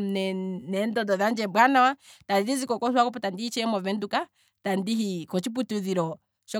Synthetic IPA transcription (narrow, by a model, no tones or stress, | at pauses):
nɛnɛndɔdɔðand͡ʒɛbwanawatadiɾizikɔkɔswakɔpɔtandihit͡ʃɛmɔvɛnduka | tandiɦikɔt͡ʃip̬utuðiɾɔ | ʃɔ